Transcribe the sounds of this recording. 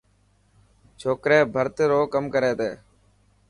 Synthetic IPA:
t͡ʃʰoːkɾeːbʱəɾt̪ɪɾoːkəmkəɾeːt̪eː

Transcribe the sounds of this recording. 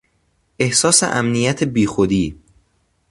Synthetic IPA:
ʔe̞hsɒːsḛʔæmnijæt̪ʰebiːxod̪iː

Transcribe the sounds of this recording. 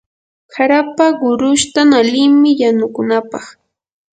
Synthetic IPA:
kaɾapaɢʊɾʊʃt̪analɪŋmɪjanʊkʊnapɑχ

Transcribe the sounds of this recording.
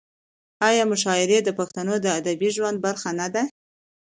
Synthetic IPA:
ɑjɑmʊʃɑɪɾed̪əpaxt̪anod̪əad̪abiʒwand̪̚baɾxanad̪a

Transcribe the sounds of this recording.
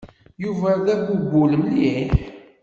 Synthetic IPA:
juvæðæɡubʊlmliħ

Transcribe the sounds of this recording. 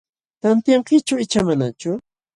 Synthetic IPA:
t̪ant̪jaŋqɪt͡ʃaɪt͡ʃamanat͡ʃʊ

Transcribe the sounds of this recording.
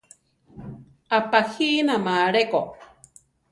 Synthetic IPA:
apahiːnamaːɾeko

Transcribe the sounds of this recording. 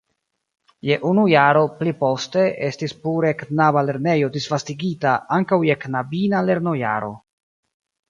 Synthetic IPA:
je̞ʔunujaɾo̞plipo̞ste̞e̞stispuɾeknabale̞ɾne̞jo̞disvastiɡitaaŋkawjeknabinaleɾno̞ja̰ɾo̞̰

